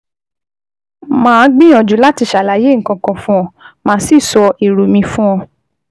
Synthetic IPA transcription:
mãː˦˧˦ɡ͡bĩ˦ɔ̃˧d͡ʒu˨˦la˦ti˧ʃa˨la˨˦je˦ŋ̩˨kã˧kã˧fũ˦ɔ̃˧mãː˧˦si˦˨sɔ˧ʔi˨ɾu˨mĩ˧fũ˦ɔ̃˧

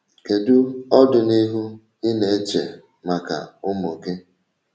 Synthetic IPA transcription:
ke˨dʊ˦ɔ˦dʊ˨ni˦ɦu˦ | ɪ˦ne˨e˦t͡ʃe˨ | ma˨ka̰˨ʊ˦mo˨ke˦

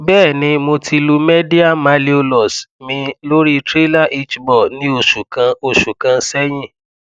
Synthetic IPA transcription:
bɛː˦˨nĩ˧mo˧tʰi˧lu˧me˦di˦a˦˨mã˧li˦o˧lɔ˨smĩ˧lo˦ɾi˦tɾe˦la˦˨ʔi˦t͡ʃbɔ˦˨nĩ˦o˨ʃu˨kã˨˦o˨ʃu˨kã˨˧sɛ˦j̃ĩ˦˨

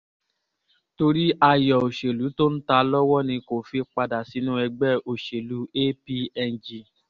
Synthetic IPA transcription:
to˧ɾi˦ʔa˧jɔ˨o˨ʃe˨lu˨˦to˦n̩˦ta˧lɔ˦wɔ˦nĩ˧ko˨fi˧˦k͡pa˧da˨si˨˦nũ˦ɛ˧ɡ͡bɛ˦˨o˨ʃe˨lu˨˦e˦pi˦ɛ˧n˨d͡ʒi˧

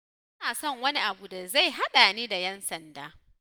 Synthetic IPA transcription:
ɐ˦naː˨sɔ˦˨ŋwɐ˦ni˦ʔa˨bu˨da˨za˦˨jɦa˦ɗa˨niː˦da˨jɛ˦nsɐ˨ndaː˦

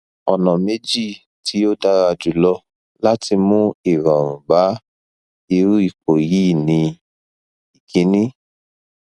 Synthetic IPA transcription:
ɔ̰˨nɔ̃˨me˨˦d͡ʒi˦˨ | ti˨˦o˦da˧ɾa˧d͡ʒu˨˦lɔ˧ | la˦ti˧mũ˦i˨ɾɔ˨ɾ̃ũ˨ba˨˦ | i˧ɾu˦i˦˨ko˨jiː˦nĩ˧ | i˨kĩ˨˦nĩ˦

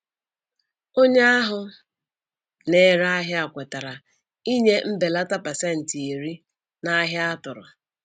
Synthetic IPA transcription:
o˦ɲe˦a˦ɦʊ˨ | ne˨ɾa˦ɦja˨kʷe˨ta˨ɾa˨ | i˦ɲe˦m̩˦be˨la˦ta˦pa˨se˦n̩˨ti˨i˨ɾi˦ | na˦ɦja˦a˦tʊ˨ɾʊ̰˨

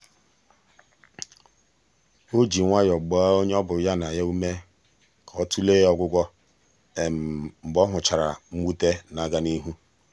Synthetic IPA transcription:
o˦d͡ʒi˨ŋʷa˦jɔ˨ɡ͡bɔ˨˦a˦o˦ɲe˦ɔ˦bʊ˨ja˦na˨ja˦u˦me˦ | kʰɔ˦tu˦leː˦ɔ˦ɡʷʊ˦ɡʷɔ˦ | e˨m̩˨m̩˨bɔ˦ɦʊ˨t͡ʃa˨ɾa˨ŋ͡m̩˦ɡ͡bu˦te˦na˨ɡa˦ni˦ɦu˦

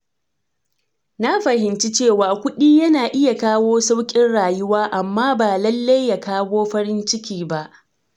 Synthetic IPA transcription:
na˦ɸɐ˨ɦɪ˨nt͡ʃi˦t͡ʃeː˦˨waː˨kʷʊ˦ɗiː˦jɐ˦naː˨ʔɪ˦ja˨kaː˦woː˦sa˦wkʲʼɪ˦nɽaː˨jʊ˦waː˦ʔa˨mːaː˦baː˨lɐ˦lːa˦jːa˨kaː˦woː˦ɸɐ˦ɾɪ˦nt͡ʃɪ˦kʲiː˨ba˦˨ʔ

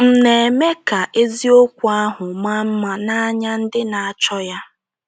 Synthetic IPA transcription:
m̩˨ne˨e˨me˦ka˨ʔe˦zi˦o˦kʷa˦ɦʊ˨ma˦m̩˦ma˦na˦ɲa˦n̩˦dɪ˦na˨a˨t͡ʃɔ˦ja˦

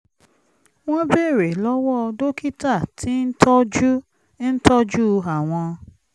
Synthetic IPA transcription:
w̃ɔ̃˦be˦˨ɾe˨lɔ˦wɔ˦˧do˦ki˦ta˦˨tʰi˦n̩˦tʰɔ˦d͡ʒu˦ | n̩˦tɔ˦d͡ʒu˦˧ɦa˨w̃ɔ̃˧

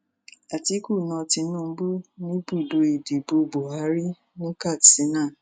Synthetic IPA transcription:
a˨ti˨˦ku˦˨nɔ̃˧ti˧˦nũ˦˨˧bu˦nĩ˦bu˦˨do˧i˨de˨bo˧bo˨a˨˦ɾi˦ | nĩ˦ka˦˨tsi˨˦nã˦˨

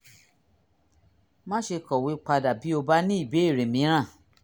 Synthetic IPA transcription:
mã˦ʃe˧kɔ˨wi˨˦k͡pa˧da˨bi˨˦o˧ba˦nĩ˦i˦˨be˨˦e˦˨ɾe˨mĩ˨˦ɾ̃ã˦˨

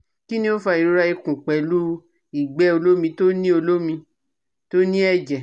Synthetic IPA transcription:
ki˦nĩ˦o˦fa˧i˨ɾo˧ɾa˧i˧kũ˨k͡pɛ˨lu˦ | i˦˨ɡ͡bɛ˨˦o˧lo˦mĩ˧to˦nĩ˦o˧lo˦mĩ˧ | to˦nĩ˦ɛ˦˨d͡ʒɛ˨

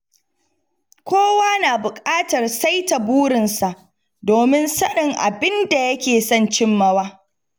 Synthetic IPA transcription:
kʷoː˦waː˦naː˨bʊ˨kʼaː˦tɐ˨rsa˦jta˨buː˦ɽɪ˨nsa˨ʔ | doː˨mɪ˦nsɐ˦ɗɪ˨ŋʔa̰˨bɪ˦nda˨jɐ˦kʲeː˨sɐ˦nt͡ʃɪ˦mːɐ˦waː˦

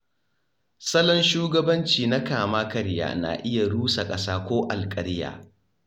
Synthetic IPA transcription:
sɐ˦lɔ˦nʃuː˦ɡɐ˦bɐ˦nt͡ʃiː˨na˦kaː˨maː˦kɐ˨ɾja̰ː˨na̰ː˨ʔɪ˦ja˨ɽuː˦sa˨kʼɐ˦saː˦kʷoː˦ʔa˨lkʼɐ˨ɾɪ˦ja̰ː˨

